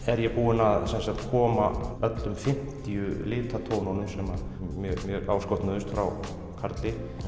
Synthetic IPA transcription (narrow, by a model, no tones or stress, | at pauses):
ɛɾjɛɣpuːɪnaðsɛnsakt̪kʰɔːmaœt̪lʏmfɪm̥t̪ɪjʏlɪːt̪ʰat̪ʰownonʏmsɛmamjœmjœːɣaːwskɔht̪naðʏst̪fɾa̰w | kʰaɾt̪lɪ